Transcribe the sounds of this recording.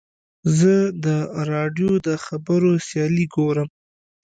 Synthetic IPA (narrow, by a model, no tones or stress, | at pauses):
zəd̪əɾɑɖjod̪əxabəɾosjɑliɡoɾəm